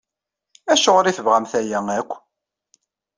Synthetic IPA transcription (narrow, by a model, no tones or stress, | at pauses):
æʃoʁɾiθəvʁæmθæjæŋækʷː